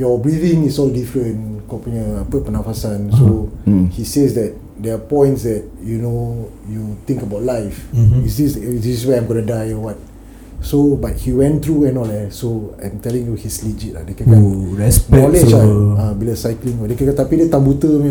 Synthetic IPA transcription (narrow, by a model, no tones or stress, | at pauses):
jɔbɹivĩŋisɔldifɹə̃nkɔpuɲəapəpənafasãnsohisesdɛt̚ | dɛapɔ̃j̃ntsdɛt̚juno | jut̪ĩŋkəbawt̚lajfisdisisdiswajãjmɡɔnədajɔwat̚ | sobat̚hiwɛ̃nt̪ɹuɛ̃nɔlɛsoã̰jmt̪ɛlĩŋjuhislid͡ʒit̚la̰dekɛkaɛsnɔlɛd͡ʒaabiləsajklĩŋɔdekɛkat̪apidɛt̪ãmbut̪əm